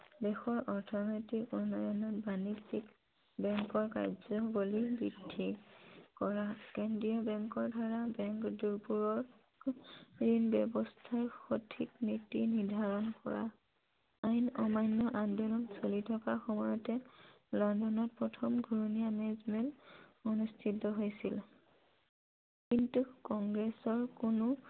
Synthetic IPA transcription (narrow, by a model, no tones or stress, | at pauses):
dɛxɔɹʔɔɹtʰɔnɔjtikunːɔjɔnɔtbanisik | bɛŋkɔɹka̰jzɔbolibɹidʱːikɔɹakɛndiɔbɛŋkɔɹdʱaɹabɛŋkduɹpuɹɔɹ | ɹinbɛbɔstʰaɹxotʰiknitinidʱaɹɔnkɔ̰ɹa̰ | ajnɔmajnːɔʔandɔnɔmsolitʰɔkaxɔmɔjɔtɛ | lɔndɔnɔt̚pɹɔtʰɔmɡʱɹunijamɛzmɛlɔnustʰitːɔɦojsil | kintukɔŋɡɹesɔɹkunʊ